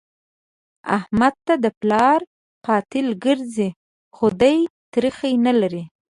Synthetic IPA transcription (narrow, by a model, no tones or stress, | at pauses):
a̰hmad̪̚t̪ad̪əplɑɾ | qɑt̪ɪlɡəɾzi | xod̪ajt̪ɾixajnalaɾi